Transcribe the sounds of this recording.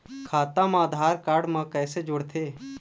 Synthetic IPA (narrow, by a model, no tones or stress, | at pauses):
kʰaːt̪amaːd̪ʱaːɾkaːɾɖmãkɛːsed͡ʒʊɽt̪ʰeː